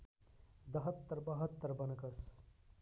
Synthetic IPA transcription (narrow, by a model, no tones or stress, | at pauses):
d̪ɐɦət̪ːəɾbɐɦət̪ːəɾbɐnəkɐs